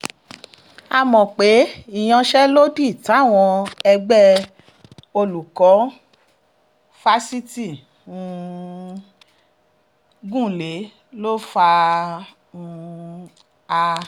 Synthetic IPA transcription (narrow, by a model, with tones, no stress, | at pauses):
a˧mɔ̃˨k͡pe˨˦i˦˨j̃ɔ̃˧ʃɛ˦lo˦di˦˨ta˨˦˨w̃ɔ̃˧ɛ˧ɡ͡bɛ˦ | o˧lu˨kɔ˨˦ | fa˦si˦ti˦˨ | ũ˧ | ɡũ˦˨le˨˦ | lo˦fa˧ | ũ˧ | a˧